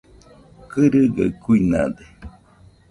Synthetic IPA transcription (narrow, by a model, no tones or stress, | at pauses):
kɨɾɨɡəkuinã̰d̪e